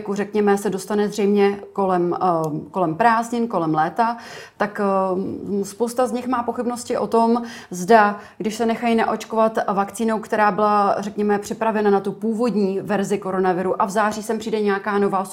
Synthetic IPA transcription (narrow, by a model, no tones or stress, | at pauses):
kurɛkɲɛmɛsɛdo̞st̪anɛzr̝ɛjmɲɛkolɛmko̞lɛmpɾaːzɲɪnko̞lɛmlɛːt̪at̪ak | spowst̪azɲɪxmaːpo̞xɪbno̞scɪʔo̞t̪o̞mzda | ɡdɪʃsɛnɛxajnaʔo̞t͡ʃkovat̪vakt͡siːno̞wkt̪ɛɾaːbɪlarɛkɲɛmɛpr̝̥ɪpɾavɛnanat̪upuːvo̞dɲiːvɛɾzɪko̞ɾo̞navɪɾuʔavzaːriːsɛmpr̝̥iːdɛɲɛjakaːno̞vaː